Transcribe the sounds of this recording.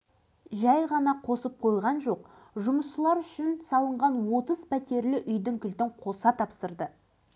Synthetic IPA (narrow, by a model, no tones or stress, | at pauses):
ʒæjʁɑnɑqʰo̞səp̚qʰo̞jʁɑnʒo̞q | ʒʊməsʃəlˠɑɾʏʃɪnsɑlˠəɴʁɑnwo̞t̪əzpʰæt̪e̞ɾlɪʔʏjd̪ɪŋkʲʰʏlt̪ɪɴqʰo̞sɑt̪ʰɑpsəɾd̪ə